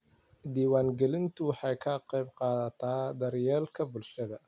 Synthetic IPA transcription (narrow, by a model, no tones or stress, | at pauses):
d̪iːwaːŋɡɛlɪnt̪ʰʊwɑħɑjkʰɐqɑjbqɑːðɐt̪ʰaːd̪ɐɾjɛːlkʰɐbʊlʃɐðɐ